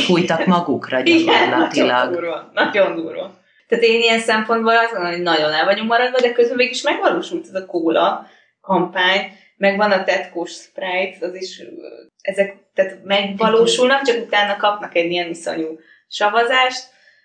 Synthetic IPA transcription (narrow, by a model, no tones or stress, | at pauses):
fujt̪ɒmɒɡukrɒɟiɡɛnlːɒt̪iolɡuːrvɒnɒɟo̞nd̪uːrʋɒ̰ | t̪aːt̪eːnijɛnsɛmpo̞nd̪bolɒzɡo̞nomɦoɟnɒɟo̞nɛlvɒɲukmɒɾɒd̪vɒd̪ɛkøzbɛmveːɡiɡiʃmɛɡʋɒloːʃult̪ɛzɒkoːɾɒ | kɒmpaːɲ | mɛɡvɒnɒt̪ɛt̪koːʃsprajt̪ɛzeʃ | ɛzɛkt̪aːt̪mɛɡvɒloːʃulnɒkt͡ʃɒkut̪aːnːɒkɒpnɒkɛɟijɛniso̞̰ɲu | ʃɒvɒzaːʃt̪